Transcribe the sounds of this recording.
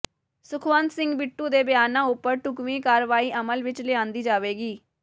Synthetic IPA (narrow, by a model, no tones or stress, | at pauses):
sʊkʰʋə̃nt̪sɪ̃ŋɡbɪʈːũːd̪eːbɪjaːnãːʊpːəɾʈʊkʋĩːkaːɾʋaːiːʔəməlʋɪt͡ʃlɪãːnd̪iːd͡ʒaːʋeːɡiː